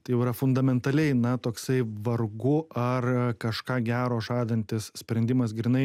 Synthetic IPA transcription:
t̪ɐɪjɛʊiɾɐfʊnd̪ɐmʲɛnt̪ɐlʲɛɪnɐt̪oːksɐɪʋɐrɡʊʔɐrkɐʃkɑːɡʲæːɾoːʒɑːd̪ɐnʲt̪ʲɪssʲpʲɾʲɛnʲd̪ʲɪmɐs̬ɡɾʲɪnɐɪ

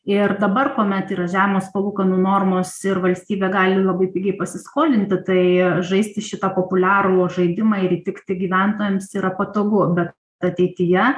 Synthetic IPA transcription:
ɪrd̪ɐbɐrkoːmʲɛt̪iːɾɐʒʲæːʋʲɪmoːspɐlˠuːkɐnoːnoːrmoːsɪɾʋɐlʲsʲt̪ʲiːbʲeːɡɑːlʲɪlˠɐbɐɪpʲiːɡʲɛɪpɐsʲɪskoːlʲɪnʲt̪ʲɪt̪ɐɪʒɐɪsʲt̪ʲɪʃʲɪt̪ɐpoːpʊlʲæːɾuːʒɐɪd̪ʲɪmɑːɪɾiːt̪ʲɪkt̪ʲɪɡʲiːʋʲænt̪oːjɛmsiɾɐpɐt̪oːɡʊbʲɛt̪ | ɐt̪ʲɛɪt̪ʲɪjɛ

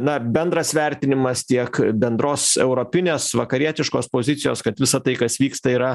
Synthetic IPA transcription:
nɐbʲɛnd̪ɾɐsʋʲɛɾʲt̪ʲɪnʲɪmɐst̪ʲiɛkbʲɛnd̪ɾoːsɛʊɾoːpʲɪnʲeːsʋɐkɐɾʲiɛt̪ʲɪʃkoːspoːzʲɪt̪sʲɪjoːskɐt̪ʋʲɪsɐt̪ɐɪkɐsʋʲiːkst̪ɐiːɾɐ

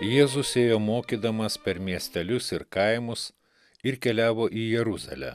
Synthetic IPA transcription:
jeːzʊsʲeːjoːmoːkʲiːd̪ɐmɐspʲɛɾmʲiɛsʲt̪ʲɛlʲʊsɪɾkɐɪmʊs | ɪɾkʲɛlʲæːʋoːʔiːjɛɾʊzɐ̰lʲɛ̰ː

